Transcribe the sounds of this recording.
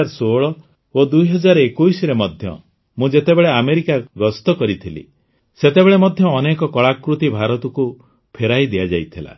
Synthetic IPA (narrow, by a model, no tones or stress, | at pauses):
aɾsoɭɔ | od̪ujɦɔd͡ʒaɾɔekujsɾemɔd̪ʱjɔ̰ | mũd͡ʒet̪ebeɭeameɾikaɡɔst̪ɔkɔɾit̪ʰilḭ | set̪ebeɭemɔd̪ʱjɔːnekɔkɔɭakɾut̪ibʱaɾɔt̪ɔku | pʰeɾajd̪ijad͡ʒa̰jt̪ʰila̰